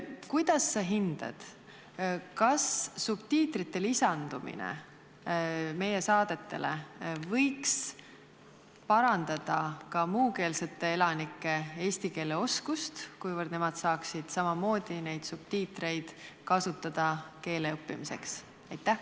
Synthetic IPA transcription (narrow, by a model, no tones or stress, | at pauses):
kujd̪̥ɑsːeɦind̪̥ɑ̰d̪̥ | kɑsːub̥̚t̪iːt̪ɾit̪ːˑe̞lisɑnd̪̥umḭnḛ | me̞je̞sɑːd̪̥e̞t̪ːe̞̰le̞vɤjks | pɑɾɑnd̪̥ɑd̪̥ɑkɑmuːke̞ːlse̞t̪ːˑe̞e̞lɑnikːˑe̞e̞ːst̪ike̞ːle̞o̞skust̪kujvərd̪ne̞mɑd̪̥sɑːksid̪̥sɑmɑmo̞ːd̪̥ine̞jd̪̥sub̥t̪iːt̪ɾe̞jd̪̥kɑsut̪ːˑɑd̪̥ɑke̞ːleɤpːḭmise̞̰ks | ɑjt̪ːæh